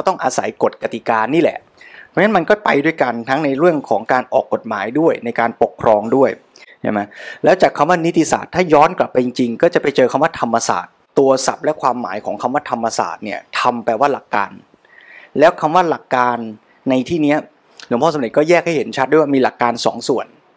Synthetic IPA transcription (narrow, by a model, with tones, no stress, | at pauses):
a˧˥˩t̪ɔ˥˩ŋʔa˧sa˩˦jko˨˩t̪̚ka˧t̪i˨˩kaː˧niː˥˩lɛ̰˨˩ʔʰ | ŋna˦˥nma˧nkɔː˥˩pa˧jdu˥˩əjka˧nt̪ʰa˦˥ŋna˧jɾɯ˥˩əŋkʰɔː˩˦ŋkaː˧nʔɔː˨˩kːo˨˩t̪̚maː˩˦jdu˥˩əjna˧jkaː˧npo˨˩kʰːɾɔː˧ŋdu˥˩əj | t͡ɕʰa˦˥˩ma˦˥lɛː˦˥wt͡ɕaː˨˩kʰːa˧mwaː˥˩˨ni˦˥t̪ʰːi˧˨sa̰ː˨˩t̪ʰːaː˥˩jɔː˦˥nkla˨˩pːa˧ji˧ŋt͡ɕi˧ŋkɔː˥˩t͡ɕa˨˩pa˧jt͡ɕɤː˧kʰa˧mwaː˥˩t̪ʰa˧mːa˧sa̰ː˨˩t̪ːu˧ɐsa˨˩p̚lɛ˦˥kʰwaː˧mːa̰ː˩˦jkʰɔː˩˦ŋkʰa˧mwaː˥˩t̪ʰa˧mːa˧sa̰ː˨˩t̪̚ni˥˩ɐt̪ʰa˧mpɛ˨˩waː˥˩la˨˩kːa̰ː˧n | lɛː˦˥wkʰa˧mwaː˥˩la˨˩kːaː˧nː | a˧jt̪ʰiː˥˩ni˦˥ɐ | su˨˦mʰɔː˥˩sa˦nde˨˩t̪̚kɔː˥˩jɛː˥˩k̚ha˥˩he˩˦nt͡ɕʰa˦˥d̪waː˥˩miː˧la˨˩kːaː˧nsɔ̰ː˩˦ŋsu˨˩ən